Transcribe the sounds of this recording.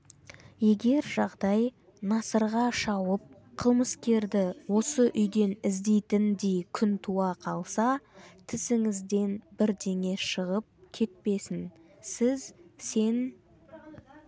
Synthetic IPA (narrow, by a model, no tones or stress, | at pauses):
je̞ɡʲe̞ɾʒɑʁd̪ɑj | nɑsəɾʁɑʃɑwəp̚ | qʰəlˠməskʲe̞ɾd̪ɪwo̞səʔʏjd̪e̞nɪzd̪e̞jt̪ɪnd̪ejkʲʰʏnt̪ʰuɑqʰɑlˠsɑt̪ʰɪsɪŋɪzd̪e̞nbɪɾd̪e̞ŋe̞ʃəʁəp̚kʲʰe̞t̪̚pe̞sɪn | sɪzse̞n